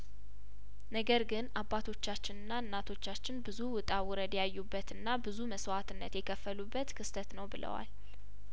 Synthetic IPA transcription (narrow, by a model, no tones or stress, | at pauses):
nəɡəɾɡɨnʔabat̪ʰo̞t͡ʃːat͡ʃːɪnɨnːaɨnːat̪ʰo̞t͡ʃːat͡ʃːɪnbɨzuwʊt̪ʼawʊɾəd̪jajːubːət̪ɨnːabɨzuməswat̪ɨnːə̰t̪jɛkʰəfːəlubːət̪kʰɨst̪ʰət̪nəwbɨlə̰wa̰l